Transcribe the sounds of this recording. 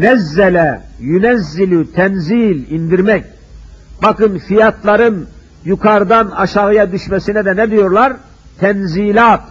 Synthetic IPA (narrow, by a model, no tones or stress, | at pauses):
nɛzːɛlɛjynæzːilyt̪ʰɛnziːlʲind̪iɾmɛc̚ | bɑkɯnfijat̪lˠɑɾɯn | jukʰaɾd̪anɑʃaɣɯjad̪yʃmɛsinɛd̪ɛnɛd̪ijoɾlˠaɾ | t̪ʰɛnziːlʲaːt̪̚